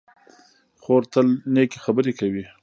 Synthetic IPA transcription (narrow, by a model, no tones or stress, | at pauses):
xoɾt̪əlneke̥xabəɾekawi